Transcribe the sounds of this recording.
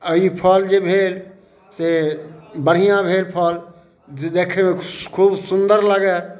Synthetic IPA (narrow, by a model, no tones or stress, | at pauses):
əipʰəld͡ʒebʱel | se | bəɽ̤ijãbʱelpʰəl | ed̪ekʰemekʰuːbsund̪əɾləɡɛ